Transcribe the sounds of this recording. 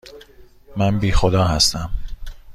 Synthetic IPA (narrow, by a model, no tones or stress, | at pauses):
mænbiːxod̪ɒːhæst̪æm